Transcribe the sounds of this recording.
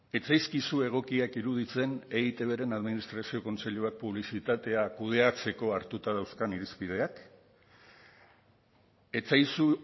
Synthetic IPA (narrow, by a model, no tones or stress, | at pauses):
e̞t͡sajskisue̞ɣ̞o̞kiakiɾuð̞it͡se̞neit̪e̞β̞e̞ɾe̞naðminist̪ɾasio̞ko̞nt͡se̞ʎuak̚puβlisit̪at̪e̞akuð̞e̞at͡se̞ko̞aɾt̪ut̪aðawskaniɾispið̞e̞ak | e̞t͡sajsu